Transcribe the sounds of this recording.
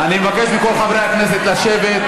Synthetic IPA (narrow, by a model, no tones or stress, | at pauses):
animevake̞ʃmiko̞lχavɾeaknes̬et̪laʃevet̪